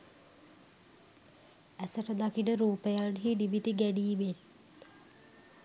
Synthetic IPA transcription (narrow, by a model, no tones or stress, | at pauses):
æsəʈəd̪akinəɾuːpejanɦiniʋit̪iɡæɖiːʋel